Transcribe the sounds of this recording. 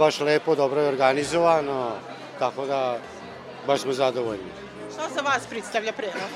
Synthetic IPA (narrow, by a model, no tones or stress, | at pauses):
baʃleːpod̪obɾojɛoɾɡanizoʋaːno | t̪akod̪a | baʃsmozad̪oʋoʎni | azaʋaːspɾit̪st̪aʋʎapɾeoɡ